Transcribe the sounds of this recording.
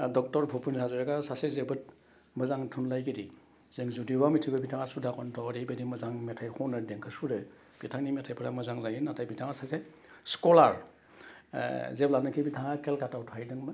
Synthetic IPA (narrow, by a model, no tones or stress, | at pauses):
dɔk̚tɔɾpʰupʰunsʰazɯɾaɡasasezebɯt̚ | mɯzaŋtʰunlajɡidi | z̥eŋzudibamitʰibɯbitʰaŋasudakɔntʰɔɾibedimɯzaŋmetʰajkʰɔwnɯdeŋkʰɯsuɾɯ | b̥itʰaŋnimetʰajpʰɯɾamɯzaŋzajɯnatʰajbitʰaŋasase | skɔlaɾ̰ | zeplanɯkʰibitʰaŋakelkatawtʰajdɯŋmɯ